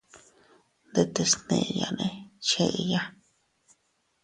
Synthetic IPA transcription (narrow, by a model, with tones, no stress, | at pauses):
nd̪e˧t̪e˧snḛ̃˧˨˧ja̰˧˨nẽ˧t͡ʃe˧ʔja˦